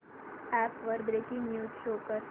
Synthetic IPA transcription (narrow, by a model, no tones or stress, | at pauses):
æːpʋəɾbɾeːkɪ̃ŋɡnjuːʃoːkəɾ